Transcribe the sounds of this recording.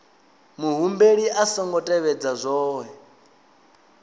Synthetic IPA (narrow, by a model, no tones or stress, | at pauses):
muɦumbeɺiʔasɔŋɡɔtʼɛβɛd͡zazʷɔːɦɛ